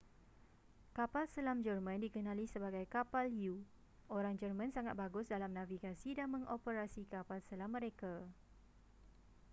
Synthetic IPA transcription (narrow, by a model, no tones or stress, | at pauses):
kapalsəlamd͡ʒərmãndikənãlisəbaɡajkapalju | ʔoɾaŋd͡ʒərmãnsaŋat̪̚baɡʊsdalamnãviɡasidanmə̃ŋʔopəɾasikapalsəlamːə̃ɾeka